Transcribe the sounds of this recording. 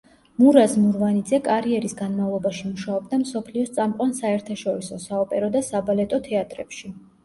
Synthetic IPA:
muɾazmuɾvanid̪zɛkʼaɾiɛɾisɡanmavlˠɔbaʃimuʃaɔb̚d̪amsɔpʰliɔst̪sʼamqʼwansaɛɾt̪ʰaʃɔɾisɔsaɔpʼɛɾɔd̪asabalɛt̪ʼɔt̪ʰɛat̪ʼɾɛpʃi

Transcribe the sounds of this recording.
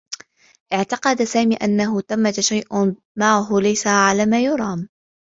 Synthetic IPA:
ʔɪʕt̪ɑqɑd̪saːmiːʔanːaɦʊt̪amːat̪ʃajʔ | maʕʊɦʊlajsaʕalaːmaːjʊɾˤɑːm

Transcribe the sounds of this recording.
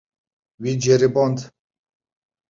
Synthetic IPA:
wid͡ʒɛɾibɔnd̪

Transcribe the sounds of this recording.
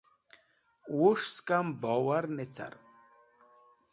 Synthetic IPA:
wuʂskʼambɔwaɾnɛt͡sʰa̰ɾ

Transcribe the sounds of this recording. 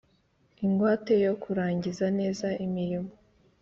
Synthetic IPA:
iŋɡwaːte̞jo̞kʰuɾaːɲɟizane̞ːzaimiɾimo

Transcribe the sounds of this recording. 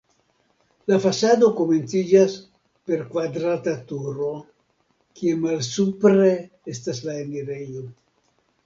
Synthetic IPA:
lafasado̞kome̞nt͡sid͡ʒas | pe̞ɾkvad̪ɾat̪atuɾo̞ | kiemalsupɾe̞ | estaslaeniɾejo

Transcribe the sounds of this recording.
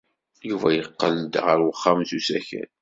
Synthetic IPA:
juvæjəqːəld̪ʁəɾwəχːamθusæçæ̰n

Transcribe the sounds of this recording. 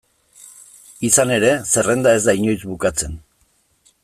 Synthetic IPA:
isane̞ɾe̞se̞re̞nd̪ae̞zd̪aiɲo̞jt͡sβukat͡se̞n

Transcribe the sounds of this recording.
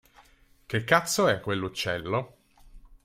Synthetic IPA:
k̟ekːat̪sːoɛkːwelːut͡ʃːɛlːo

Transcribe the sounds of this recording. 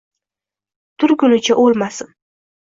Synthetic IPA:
t̪ʰʊɾɡʊnɪt͡ʃʰaʔolˠmasɪn

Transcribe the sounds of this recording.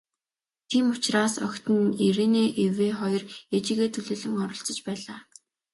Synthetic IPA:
t̪ʰiːmʊt͡ɕraːsɔ̰kʲt̪ɘ̆neɾeːneːʔeweːχɔjɞ̆ret͡ɕiːɣeːt̪ʰɵɮoːɮɘ̆ŋɔɾɞ̆ɬt͡sɞ̆t͡ɕpæːɮaː

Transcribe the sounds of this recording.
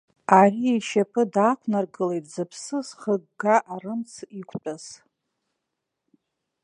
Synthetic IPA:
aɾiiʃapʰɨdakʷʰnarɡɨlejtʼzɨpʰsɨzχəɡɡaʔarɨmt͡sʰikʷʰʼt͡pʼaz

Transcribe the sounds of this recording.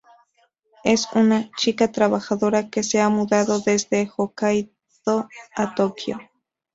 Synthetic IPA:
e̞sunat͡ʃikat̪ɾaβaxaðo̞ɾakeseamuðaðo̞ðe̞zd̪exokaj | ðoat̪okjo̰

